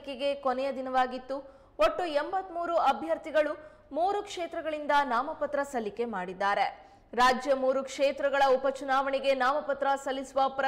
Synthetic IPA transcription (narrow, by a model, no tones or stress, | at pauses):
keɡe̞konɛjɐd̪inɐʋaːɡit̪ːu | oʈːuembɐt̪ːmuːɾuɐbʱjɐɾt̪iɡɐɭu | muːɾukʂeːt̪ɾɐɡɐɭind̪ɐnaːmɐpɐt̪ɾɐsɐlːike̞maːɽid̪ːaːɾe̞ | ɾaːd͡ʒjɐmuːɾukʂeːt̪ɾɐɡɐɭɐupɐt͡ʃunaːʋɐɳɛɡe̞naːmɐpɐt̪ɾɐsɐlːisuʋɐpɾɐ